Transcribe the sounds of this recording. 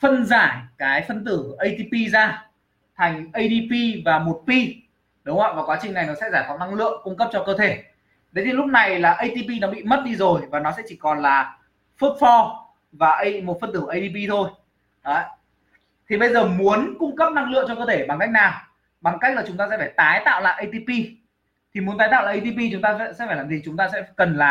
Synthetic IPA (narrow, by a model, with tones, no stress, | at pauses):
fə˧nzaː˧˩jkaː˨˦jfə˧nt̪ɨ˧˩ʔə˧jt̪i˧pi˧zaː˧ | t̪ʰa˨˩jŋ̟ʔə˧jɗi˧pi˧vaː˨˩mo˨˩t̚pi˧ | ɗʊ˨˦ŋ͡mha̰˧˨vaː˨˩kwaː˨˦t͡ɕï˩ŋna˨˩jnɔ˨˦sɛ̰˧˥zaː˧˩t̪ʰɔ˧˩na˧ŋlɨ̰˧˨əŋkʊ˧ŋ͡mkə˦˥p̚t͡ɕɔ˧kəː˧t̪ʰe˧˩ | ɗə˨˦jt̪ʰi˨lʊ˦˥k͡p̚na˨˩jlaː˨˩ʔə˧jt̪i˧pi˧nɔ˨˦ɓḭ˧˨mə˦˥t̚ɗi˧zo˨˩jvaː˨˩nɔ˨˦sɛ̰˧˥t͡ɕi˧˩kɔ˨˩nlaː˨˩ | fu˦˥t̚fɔ˧ | vaː˨˩ʔə˧mo˨˩t̚fə˧nt̪ɨ˧˩˨ʔə˧jt̪i˧pi˧t̪ʰo˧j | əː˨˧˦ | t̪ʰi˨˩ɓə˧jzəː˨˩mu˨˦ənkʊ˧ŋ͡mkə˦˥p̚na˧ŋlɨ̰˧˨əŋt͡ɕɔ˧kəː˧t̪ʰe˧˩ɓa˨˩ŋka˦˥k̟̚naː˨˩w | ɓa˨˩ŋka˦˥k̚laː˨˩t͡ɕʊ˨˦ŋ͡mt̪aː˧sɛ̰˧˥faː˧˩jt̪aː˨˦jt̪a̰ː˧˨wla̰ː˧˨jʔə˧jt̪i˧pi˧ | t̪ʰi˨˩mu˨˦nt̪aː˨˦jt̪a̰ː˧˨laː˨˩ʔə˧t̪i˧pi˧t͡ɕʊ˨˦ŋ͡mt̪aː˧˥sɛ̰˧˥faː˧˩jlaː˨˩mzi˨˩t͡ɕʊ˨˦ŋ͡mt̪aː˧sɛ̰˧˥kə˨˩nla̰ː˨˩